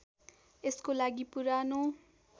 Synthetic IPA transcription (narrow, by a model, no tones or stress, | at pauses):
eskolaɡipuɾano